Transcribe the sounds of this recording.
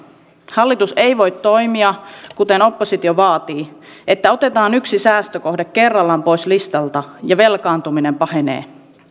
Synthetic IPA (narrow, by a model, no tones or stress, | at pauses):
hɑlːit̪usejʋo̞jt̪to̞jmiɑkut̪eno̞pːosit̪ioʋɑːt̪iː | et̪ːæo̞t̪e̞t̪ɑːnyksisæːst̪øko̞hdekke̞rːɑlːɑmpo̞islist̪ɑlt̪ɑjɑʋe̞lkɑːnt̪umine̞mpɑhe̞nḛː